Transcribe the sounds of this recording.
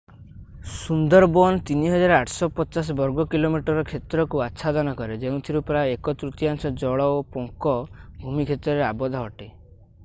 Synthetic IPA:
sund̪ɔɾbɔnt̪iniɦɔd͡ʒaɾaʈʰsɔpɔt͡ʃas̬ɔbɔɾɡɔkilomiʈɔɾɔkʰet̪ɾɔkuatːʃʰad̪ɔnɔkɔɾed͡ʒeũt̪ʰiɾupɾaekɔt̪ɾut̪iaŋsɔd͡ʒɔɭɔopoŋkɔbʱumikʰet̪ɾɔɾeabɔd̪ʱɔɦɔʈe

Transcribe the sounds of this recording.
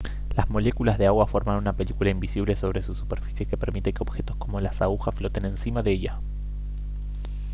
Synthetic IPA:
lazmo̞le̞kulazðeaɣwafo̞ɾmanunape̞likulaimbisiβle̞so̞βɾe̞susu̥pe̞ɾfi̥sjeke̞pe̞ɾmit̪ekeo̞bxe̞t̪o̞sko̞mo̞lasaɣuxasflo̞t̪e̞nẽ̞nsimaðeeʎa

